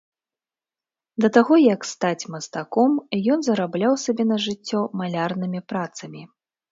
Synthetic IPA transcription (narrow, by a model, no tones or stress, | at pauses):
d̪ɐt̪aɣɔjɐkst̪at͡sʲmɐst̪akɔmjɔnzɐɾablʲawsabʲɛnɐʐɨt͡sʲːɔmalʲarnɨmʲipɾat̪sɐmʲi